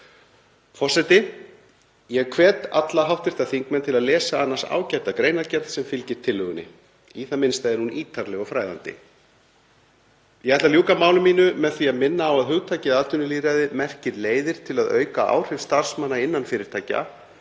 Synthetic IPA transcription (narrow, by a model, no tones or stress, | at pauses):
fɔr̥sɛt̪ɪ | jɛɣkʰvɛːt̪a̰t̪laɦawht̪vɪɾ̥t̪aθiŋkmɛnt̪ʰɪlaðlɛːsaanːasa̰ːwcajt̪akɾeːjnaɾcɛɾsɛmfɪlcɪɾ̥t̪ʰɪlːʏɣʏnːɪ̰ | iθamɪnst̪ajðɪɾnuniːt̪ʰaɾlɛɣɔfɾaːjða̰nt̪ɪ̰ | jɛɣɛht̪aljuːkamaːwlʏmːiːnʏmɛðθviaðmɪnːaːwaðɦʏɣt̪ʰaːjcɪaðt̪ʏnɪliːɾaðɪmɛr̥cɪðleːjðɪɾ̥t̪ʰɪlaðœ̰ːɥkaʔa̰ːwr̥ɛvst̪ar̥smanːaɪnːanfɪːɾɪɾ̥t̪ʰaːca̰